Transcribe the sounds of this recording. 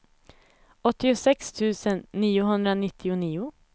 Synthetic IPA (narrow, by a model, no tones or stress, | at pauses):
ɔt̪ɪʊsɛkst̪ʰʉːsənniːʊɦɵnd̪ɾəoːnɪt̪ʰːɪʊniːʊ